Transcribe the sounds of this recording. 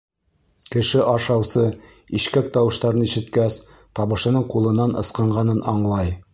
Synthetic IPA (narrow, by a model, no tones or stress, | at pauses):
kɘ̆ʃɘʔɑʃɑwsɤ | iʃkæk̚t̪ɑwɤ̆ʃt̪ɑɾniʃɘ̆t̪kæs | t̪ɒβɤ̆ʃɤ̆nɤɴqulˠɤ̆nːɑnʔɤ̰̆sqɤ̆ɴɢɑnɤnɑɴlˠɑj